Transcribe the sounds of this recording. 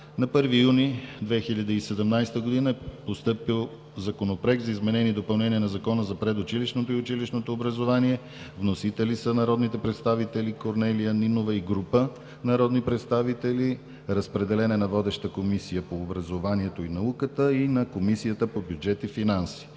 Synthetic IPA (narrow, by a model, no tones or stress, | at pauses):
nɐpɤɾvijunid̪vɛxilʲɐd̪iisɛd̪ɛmnajst̪əɡod̪inəɛpost̪ɤpilˠ | zɐkonopɾɛɡzɐizmɛnɛniːd̪opɐlˠnɛniɛnɐzɐkɔnəzɐpɾɛd̪ʊt͡ʃiliʃnot̪oiʊt͡ʃiliʃnot̪oːbɾəzovaniɛ | vnosit̪ɛlisənɐɾɔd̪nit̪ɛpɾɛt̪st̪avit̪ɛlikoɾnɛlijəninovəiɡɾupə | nɐɾɔd̪nipɾɛt̪st̪avit̪ɛli | ɾəspɾɛd̪ɛlɛnɛnɐvɔd̪ɛʃt̪əkomisijəpoːbɾɐzovaniɛt̪oinɐukət̪əinɐkomisijət̪əpobjud͡ʒɛt̪ifinansi̥